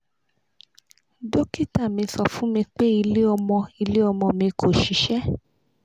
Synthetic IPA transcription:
do˦ki˦ta˦˨mĩ˧sɔ˧˨fũ˦mĩ˧k͡pe˦i˧le˦ɔ˧mɔ̃˧i˧le˦ɔ˧mɔ̃˧mĩ˧kʰo˦˨ʃi˨˦ʃɛ˦

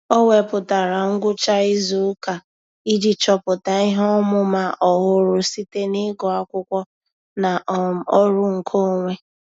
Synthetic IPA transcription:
ɔ˦we˨pʊ˨ta˨ɾa˨ŋ̩˦ɡʷʊ˦t͡ʃa˦i˦zu˨˦ka˨ | i˦di˨t͡ʃɔ˨pʊ˨ta˨i˦ɦɔ˦mʊ˦ma˦ʔɔ˨ɦʊ˦ɾʊ˦si˦te˦nɪ˦ɡɔ˨a˦kʷʊ˦kʷɔ˦ | na˨ɔ˦ɾʊ˦ŋ̩˨kʰo˦˨ŋʷe˦

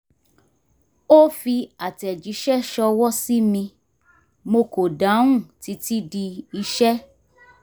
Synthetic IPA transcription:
o˦fi˧a˨tɛ˨d͡ʒi˨˦ʃɛ˦ʃɔ˧wɔ˦si˦mĩ˧ | mo˧ko˨da˨˦ũ˦˨ti˨˦ti˦di˧i˧ʃɛ˦

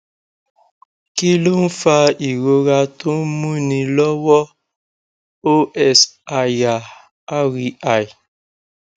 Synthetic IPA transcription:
ki˦lo˦n̩˦fa˦i˨ɾo˦ɾa˦to˦mu˦ni˨lɔ˦wɔ˦ | o˦ʔɛ˨sa˨ja˨ | a˦ɾi˨a˨j

